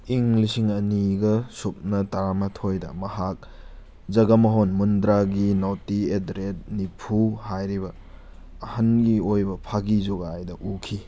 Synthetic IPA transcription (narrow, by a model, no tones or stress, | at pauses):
iŋlisiŋɐniɡɐsup̚nɐtɐɾamɐtʰojdɐ̰mɐhak̚ | d͡ʒɐɡɐmɐɦonmundɾaɡinowtiedɾet̚nipʰuhajɾibɐː | hɐnɡiojbɐpʰaɡizuɡaajdɐʔukʰi